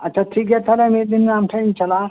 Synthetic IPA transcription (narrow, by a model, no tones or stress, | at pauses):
ɐtːɕʰaʈʰiːkjet̪alamid̪inːamʈʰaint͡ɕɐla